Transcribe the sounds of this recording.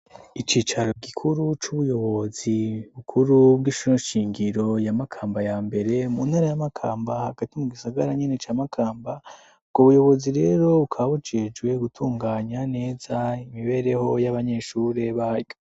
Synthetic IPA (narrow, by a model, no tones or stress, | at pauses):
it͡ʃiːt͡ʃaɾo̞ɡikʰuɾut͡ʃuβujo̞βo̞ziβukʰuɾubɡiʃuɾoʃiːŋɡiɾo̞jamakʰaːmbajaːmbe̞ɾe̞munhaɾajamakʰaːmbahaɡatimuɡisaɡaɾaɲine̞t͡ʃaːmakʰaːmba | b̚ɡ̥oβujo̞βo̞ziɾe̞ɾo̞βukʰaβut͡ʃed͡ʒwe̞ɡutʰuːŋɡaːɲane̞ːzaimiβe̞ɾeho̞jaβaɲe̞ʃuɾe̞βahaɾjo